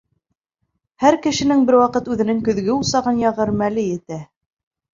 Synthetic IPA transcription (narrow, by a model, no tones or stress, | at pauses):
hæɾkɘ̆ʃɘ̆nɘŋbɘɾwɑqɤt̪ʉðɘ̆nɘŋkɵ̆ðɡɘusɑʁɤnjɑʁɤɾmælɘjɘ̆t̪æ